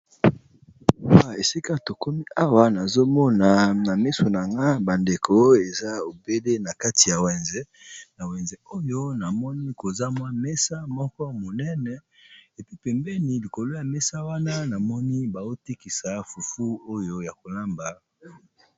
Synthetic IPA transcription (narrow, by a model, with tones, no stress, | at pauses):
a˨e˨si˦ka˦to˨ko˦mi˦ʔa˦wa˨na˨zo˦mɔ˦na˨na˨mi˦so˨na˨ŋɡa˦ba˨nde˨kʰo˦e˨za˦o˨be˦le˦na˨ka˦ti˨ja˨wɛ˨nzɛ˦ | na˨wɛ˨nzɛ˨o˦jo˦na˨mɔ˦ni˦ko˨za˦mwa˦mɛ˦sa˦mɔ˦kɔ˦mo˨nɛ˦nɛ˨e˨pi˦pɛ˨mbɛ˦ni˨li˨ko˨lo˦ja˨mɛ˦sa˦wa˦na˦na˨mɔ˦ni˦ba˨zo˦ti˦ki˨sa˨fu˨fu˦o˦jo˦ja˨ko˨la˦mba˨